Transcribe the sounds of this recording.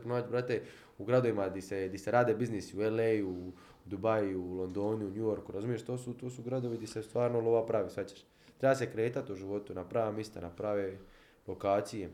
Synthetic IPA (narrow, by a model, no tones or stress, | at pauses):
ponaːt͡ʃbɾat̪e | uɡɾad̪o̞ʋimad̪ised̪iseɾaːd̪ebiznisiueleju | d̪ubajulo̞nd̪oːniunjujoɾkuɾazumije̞ʃt̪oːsut̪oːsuɡɾad̪o̞ʋid̪isest̪ʋaːɾnolˠoʋapɾaʋisʋat͡ɕeʃ | t̪ɾebasekɾe̞ːt̪at̪uʒiʋo̞t̪unapɾaʋamjest̪anapɾaʋe | lo̞kaːt̪sije